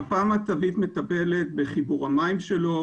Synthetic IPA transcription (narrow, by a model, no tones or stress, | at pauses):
paːmat̪avit̪me̞t̪abe̞let̪̚be̞χibuʁamaimʃe̞lo̞